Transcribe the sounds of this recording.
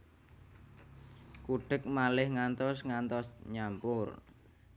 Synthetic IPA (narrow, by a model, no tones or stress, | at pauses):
kuɖ̥ək̚malɪhŋant̪ɔsŋant̪ɔsɲampʊr